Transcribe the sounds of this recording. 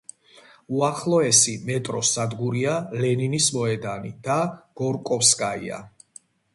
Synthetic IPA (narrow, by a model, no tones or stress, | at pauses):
uaχlˠɔɛsimɛt̪ʼɾɔsad̪ɡuɾialɛninismɔɛd̪anid̪̥aɡ̥ɔɾkʼɔfskʼaḭa̰